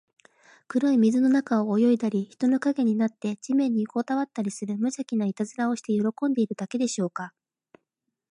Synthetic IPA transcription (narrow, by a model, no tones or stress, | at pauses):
kɯ̟ɾo̞imʲizɨno̞nakao̞ːjo̞id̪aɾʲiçi̥t̪o̞no̞kaɡe̞ɲ̟inat̪ːe̞d͡ʑimẽ̞ɲ̟ːiko̞t̪aβat̪ːaɾʲisɨɾɯ̟mɯ̟ʑakʲinait̪azɨɾao̞ɕi̥t̪e̞jo̞ɾo̞kõ̞nd̪e̞iɾɯ̟d̪ake̞d̪e̞ɕo̞ːka